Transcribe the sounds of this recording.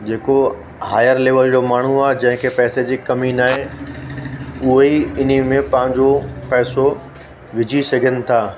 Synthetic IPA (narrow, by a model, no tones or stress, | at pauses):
d͡ʑeːko | haːjəɾleːʋəld͡ʑoːmaːɳ̤uaːɦed͡ʑɐ̃ɦɪ̃kʰepɛːsed͡ʑiːkɐminaːɦe | ʊɦeiɪn̤imẽpɐ̃ɦɪ̃ɲd͡ʑopɛːso | ʋɪd͡ʑʱisɐɡʱənɪ̆t̪ʰaː